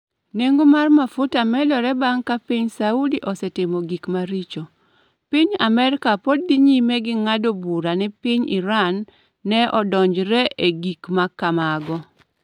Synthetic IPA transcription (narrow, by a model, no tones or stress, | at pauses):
neŋɡomarmafʊtamɛlɔɾɛbaŋkapiɲsauliʔɔsɛtɪmoɡikmaɾit͡ʃo | piɲa̰mɛɾkapod̚diɲimeɡɪŋadobuɾanɪpɪɲɪɾanː | ɛʔɔdɔɲd͡ʒɾɛʔeɡikmakːamaɡɔ